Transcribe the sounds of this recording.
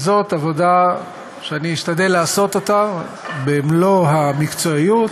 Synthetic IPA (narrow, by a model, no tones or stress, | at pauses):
zo̞t̪avo̞da | ʃeaniːʃt̪ad̪elaːso̞t̪o̞t̪a | beːmlo̞ɦamikt͡so̞ijut̪